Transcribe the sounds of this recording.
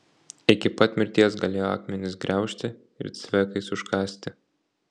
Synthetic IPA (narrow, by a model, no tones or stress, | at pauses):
ɪkʲɪpɐt̪ʲmʲɪɾʲt̪ʲiɛsɡɐlʲeːjoɑ̰ːkmʲɛnʲɪsɡɾʲɛˑʊʃʲt̪ʲɪ | ɪ̰ɾt̪sʲʋʲɛːkɐɪsʊʃkɑːsʲt̪ʲɪ